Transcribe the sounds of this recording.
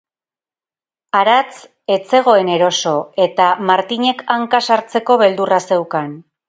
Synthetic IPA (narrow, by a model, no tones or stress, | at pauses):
aɾat͡s | e̞t͡se̞ɣ̞o̞e̞ne̞ɾo̞so̞e̞t̪amaɾt̪iɲe̞kaŋkasaɾt͡se̞ko̞βe̞ld̪urase̞wkan